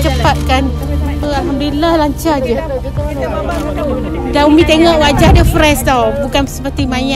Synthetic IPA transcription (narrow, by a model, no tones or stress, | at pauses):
t͡ʃəpat̪̚kan | pəaɦamdulahlaɲt͡ʃad͡ʒə | danumĩt̪eŋɔʔwad͡ʒadafɾɛst̪awbukansəpət̪imãɲã